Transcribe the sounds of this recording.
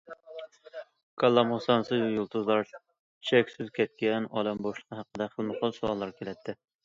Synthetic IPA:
kʰɑlˠːɑmhɑsɑnsɨzjulˠt̪ʰuzlˠɑɾʰ | i̥t͡ʃʰɛkʲsɪzkʲɛt̪̚kʲɛnɑ̰ːlɛmboʃlˠəqʰəɦæqəd̪ɛχəlˠmɨχɑlˠsoɑlˠːɑɾkʲʰelɛt̪ʰːɪ

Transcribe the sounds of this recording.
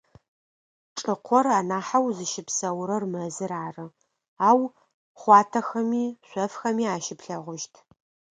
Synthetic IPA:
ʈ͡ʂʼɨqʷʰɔraːnaːħawzɨʃɪpsɐwɾɐrmɐzɨɾaːrɨ | aːw | χʷɑːtʰɐxɐmiːɕʷɔfxɐmiːaːʃɪpɬɐʁʷʊʃtʰ

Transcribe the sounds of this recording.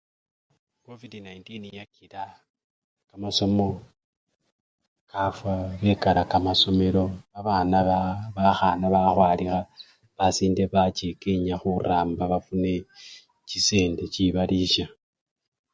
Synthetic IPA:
kovidinaintinjakiɾa | kamaso̞mo̞ | kafwaβe̞kaɾakamaso̞me̞ɾo̞βaβaːnaβaxanaβaxwaːlixa | βasiːnde̞βat͡ʃekeɲaxuraːmbaβafune̞ | t͡ʃise̞ːnde̞ciβaliʃa

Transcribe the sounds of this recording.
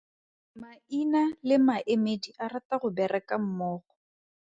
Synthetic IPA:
mainalɪmaʔemediʔarataɣʊbɛrɛkʼam̩mɔːχɔ

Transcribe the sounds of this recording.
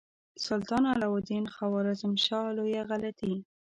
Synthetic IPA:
sʊlt̪ɑnalawʊd̪inxawɑɾazɪmʃɑlojaɣalat̪i

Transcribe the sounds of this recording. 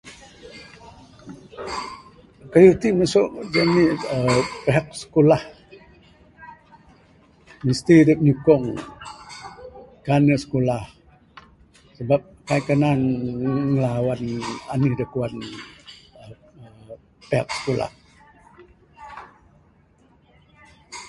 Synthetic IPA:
kajut̪imasʊʔd͡ʒaniəpeɦak̚sə̥kolah | mist̪idəp̚ɲukɔŋ | kanəʔsə̥kolah | səbap̚kajʔkənaŋŋəlawananihdəkuan | ə | ə | peɦak̚sə̥kola̰h

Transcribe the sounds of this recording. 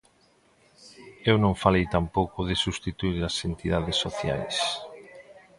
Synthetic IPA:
ewnõŋfalejt̪ampowkʊðɪsust̪it̪uiɾɐsent̪iðaðesːoθja̰js

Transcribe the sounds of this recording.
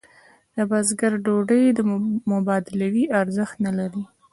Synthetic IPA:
d̪̥əbazɡaɾɖoɖəjd̪əmʊbɑd̪ɪlawiʔaɾzəxt̪nalaɾi

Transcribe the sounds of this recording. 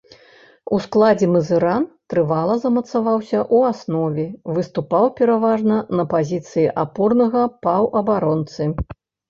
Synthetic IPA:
usklˠad͡zʲɛmɨzɨɾant̪ɾɨvalˠɐzɐmɐt̪savawsʲɐʔuasnɔvʲɛvɨst̪upawpʲɛɾavaʐnɐnɐpazʲit̪sɨjiʔapɔrnɐɣɐpawʔɐbaɾɔnt̪sɨ

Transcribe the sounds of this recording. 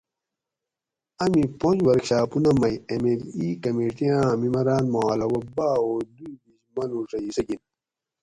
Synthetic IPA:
ɐmipõd͡ʒwɐɾkɕaːpunɐmɐjemelikɐmeːʈiãmimɐɾaːnmoalɐwɐbaːoːd̪uɡizmɐnuʂɐisɐɡin

